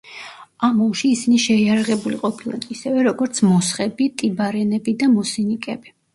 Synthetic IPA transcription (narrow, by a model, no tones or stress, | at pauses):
amɔlˠʃiːsiniʃɛiaɾaʁɛbuliqʼɔpʰilˠa̰d̪isɛvɛɾɔɡɔɾt̪sʰmɔsχɛbit̪ʼibaɾɛnɛbid̪amɔsinikʼɛbi